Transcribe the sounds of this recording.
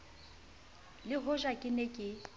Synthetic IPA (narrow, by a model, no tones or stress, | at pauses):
lɪɦʊʒakʼɪnekʼɪ